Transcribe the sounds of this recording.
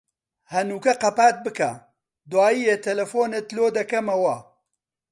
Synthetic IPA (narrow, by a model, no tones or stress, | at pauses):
hɐnuːkɐqɐpaːt̪̚bɨkɐ | d̪waːjiːjeːt̪ʰɐlɐfoːnet̪loːd̪ɐkɐmɐwɐ